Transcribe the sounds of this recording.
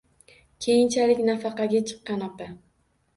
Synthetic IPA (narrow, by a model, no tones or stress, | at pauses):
kʲʰe̞jɪnt͡ʃʰalɪkʲnafɑqɑɡʲat͡ʃʰɨ̥qːɑnapɪ